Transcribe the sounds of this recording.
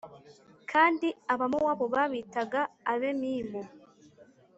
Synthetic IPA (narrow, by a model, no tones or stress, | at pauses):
kʰaːndiaβamowaːβoβaβitaɡaːβe̞miːmo